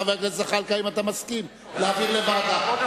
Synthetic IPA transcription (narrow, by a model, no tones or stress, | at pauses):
avelezeχalkaimat̪amaskim | leaviʁlevad̪a